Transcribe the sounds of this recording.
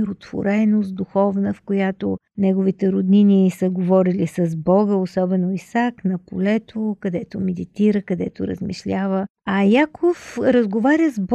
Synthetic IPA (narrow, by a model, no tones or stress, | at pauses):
ɾot̪v̥o̰ɾɛnost̪d̪uxɔvnəfkojat̪onɛɡʊvit̪ɛɾod̪ninisəɡovɔɾilisɐzbɔɡəosɔbɛnoisaknɐpolɛt̪ʰokɐd̪ɛt̪omɛd̪it̪iɾəkɐd̪ɛt̪oɾə̰zmḭʃlʲavə | ɐjakʰofɾəzɡovaɾʲjəzb